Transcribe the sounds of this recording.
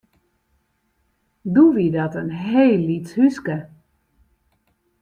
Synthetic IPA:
duʋidɔtənɦeːlːitshyskə

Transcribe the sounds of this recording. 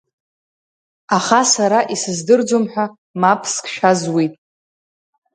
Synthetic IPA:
aχasaɾaʔisɨzdɨrd͡ʒomħᶣʷa | mapʰskʰʼʃᶣazwitʼ

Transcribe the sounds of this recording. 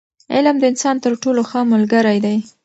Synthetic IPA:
ɪ̰lmd̪əɪnsɑnt̪əɾʈoloxəmʊlɡəɾajd̪aj

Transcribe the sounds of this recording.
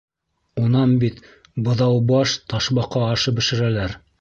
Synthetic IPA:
unɑnbit̪ | bɤ̆ðɑwbɑʃt̪ɑʃbɑqɑːʃɤp̚bɘ̆ʃɘ̆ɾælæɾ

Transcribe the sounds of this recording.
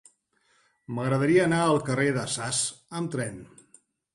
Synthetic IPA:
məɣɾəðəɾiəːnaəlˠkəreðəsasəmt̪ɾɛn

